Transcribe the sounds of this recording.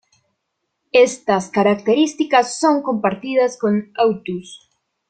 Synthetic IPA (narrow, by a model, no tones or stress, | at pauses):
est̪ɐskaɾakt̪eɾist̪ikɐsːoŋkompaɾt̪iðɐskoŋawt̪us